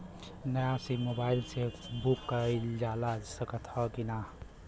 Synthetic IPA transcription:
nəjasimobaɪlsebukːəəjld͡ʒalad͡ʒsəkət̪ʰhʌkina

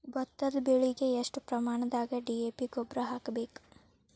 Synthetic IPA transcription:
bɔt̪ːɐlbeɭiɡeɐʂʈpɾɐmaːɳɐd̪aːɡɐɖieːpiɡobɾɐɦaːkɐbeːku̥

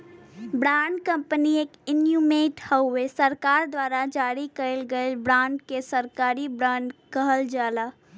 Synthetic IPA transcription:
bɾãːɳɖkə̃mpənieːkɪnjumeːʈhəwesəɾkaːɾd̪waːɾad͡ʒaːɾikəelɡəɪlbɾãːɳɖkesəɾkaːɾibɾãːɳɖkəɦəld͡ʒaːla

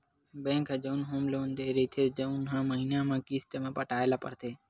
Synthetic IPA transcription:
bẽːŋkʰeːd͡ʒəunɦoːmloːnd̪eiɾəiːt̪ʰeːd͡ʒəunɦãːməɦiːnãːmãːkiːst̪əmẽːpəʈaːelaːpə̰ɾt̪ʰeː

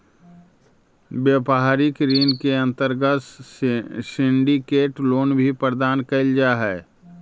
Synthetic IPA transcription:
beːpɦaːɾɪkɾiːnkeɐ̃nt̪əɾɡəs | sɪ̃ɳɖikeːʈloːnbʱipɾd̪aːnkɐld͡ʒaɦɛː

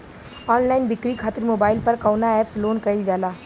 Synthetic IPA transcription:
ɔːnlaːɪnbɪkɾikʰaːt̪ɪɾmoːbaːɪlpɐɾkaːʊnaɛːpsloːnkɐɪld͡ʒaːlaː

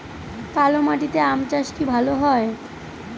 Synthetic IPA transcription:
kalomaʈ̬it̪eamt͡ɕaʃkibʱaloɦɔe

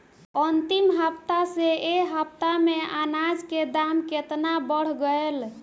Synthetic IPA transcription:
ənt̪imɦəpt̪aseeɦəp̚t̪ameanad͡ʒked̪amket̪nabəɽ̤ɡəel

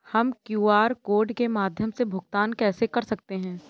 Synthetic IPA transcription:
hɐmkjuːaːɾkoːɾɖkemaːd̪ʱjəmsebʱʊɡt̪aːnkɛːsekɐɾsɐk̚t̪eɦɛ̃ː

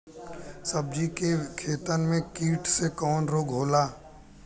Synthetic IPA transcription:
səb̚d͡ʒikekʰeːt̪ənmẽkiːʈʰsekɔːnɾoːɡʱɦoːlaː

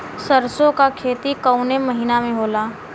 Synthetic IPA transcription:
səɾsõkakʰeːt̪ikəʊnemɐɦiːnamẽɦoːlaː

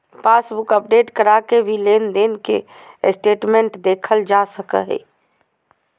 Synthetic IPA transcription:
paːsbʊkəp̚ɖeːʈkəɾakebʱileːnd̪eːnkḛ | sʈeːʈmẽɳʈd̪eːkʰəld͡ʒaːsəkə̰ɦɛ̰ː

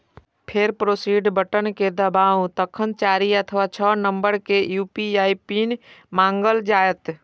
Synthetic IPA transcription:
pʰeɾpɾoːsiːɖbəʈənked̪əbaːwt̪əkʰənt͡ʃaːɾiət̪ʰʋat͡ʃʰənəmbəɾkejuːpiaːipinmãːŋɡəld͡ʒaːjət̪

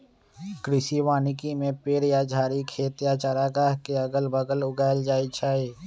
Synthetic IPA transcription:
kɾɪsiwaːnɪkimẽpeːɾjad͡ʒʱaːɾikʰeːt̪jat͡ʃaɾaːɡaːɦkeɐɡəlbəɡəlʊɡaːld͡ʒaːit͡ʃʰaːiː

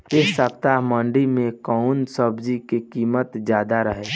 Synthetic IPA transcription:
esəbt̪aɦmə̃ɳɖimẽkəʊnsəbd͡ʒikekiːmət̪d͡ʒjaːd̪aɾəɦeː

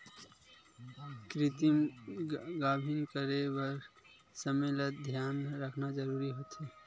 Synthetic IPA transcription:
kɾɪt̪im | ɡaːbʱɪnkəɾewəɾ | səmeːlət̪̚d̪ʱjaːnɾəkʰnad͡ʒəɾuːɾiɦoːt̪ɦeː

